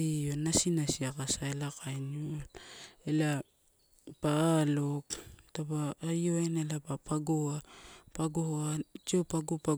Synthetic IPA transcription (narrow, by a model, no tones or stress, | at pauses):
ionasinasiakasaelakajnlela | paːloktabaːjoenelapapaɡoapaɡohoat͡ʃiopaɡopa